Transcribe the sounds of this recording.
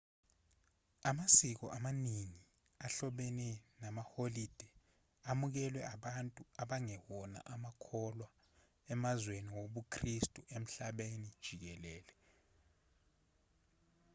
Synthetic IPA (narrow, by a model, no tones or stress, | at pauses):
amasik̬ɔ̰ʔamaniŋi | aɬɔɓɛnɛnamaholid̥ʱɛ | amuk̬ɛlwɛaɓantʼuaɓaŋɛwɔna̰ʔamakʰɔlwa | ɛmazweniwoɓukʰristʼuʔem̩ɬaɓenid̥ʒ̥ʱik̬ɛlɛːlɛ